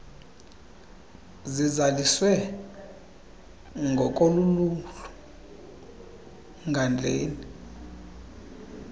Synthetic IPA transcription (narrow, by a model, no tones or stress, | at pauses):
zizaliswɛ | ŋɡʱɔkʼoluluɬu̥ | ŋɡʱand͡ɮʱeːni